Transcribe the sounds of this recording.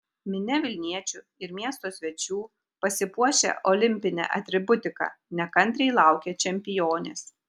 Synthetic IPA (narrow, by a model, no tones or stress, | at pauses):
mʲɪnʲɛʋʲɪlʲnʲiɛt͡ʃʲʊ | ɪɾmʲiɛst̪oːsʲʋʲɛt͡ʃʲuː | pɐsʲɪpuɔʃʲḛʔɔlʲɪmʲpʲɪnʲɛ̰ʔɐt̪ʲɾʲɪbʊt̪ʲɪkɑ̰nʲɛkɐnʲt̪ʲɾʲɛɪlˠɑˑʊkʲɛt͡ʃʲɛmʲpʲɪjoːnʲḛːs